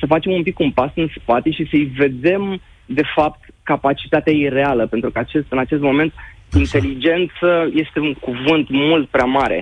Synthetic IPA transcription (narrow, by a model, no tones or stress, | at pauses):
səfat͡ʃe̞mumpikunpasɨnspat̪e̞ʃisəijve̞d̪e̞m | d̪e̞fap̚t̪kapat͡ʃi̥t̪at̪eaiɾe̞aləpe̞nt̪ɾukəat͡ʃe̞st̪ɨnat͡ʃe̞s̬t̪mo̞me̞nt̪̚ | int̪e̞lid͡ʒe̞nt̪səje̞st̪e̞uŋkuvɨnt̪mult̪̚pɾeamaɾe̞̰